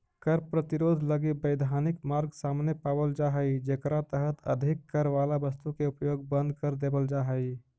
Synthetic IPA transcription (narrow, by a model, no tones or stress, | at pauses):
kəɾpɾət̪ɪɾoːd̪ʱləɡibəɪd̪ʱaːnɪkmaːɾɡsaːmnepaːbəld͡ʒaːɦəid͡ʒeːkɾat̪əɦət̪ə̰d̪ʱɪkːəɾʋaːlabəst̪ukeʊpjoːɡbə̃nd̪ʱkəɾd̪eːbəld͡ʒaːɦəi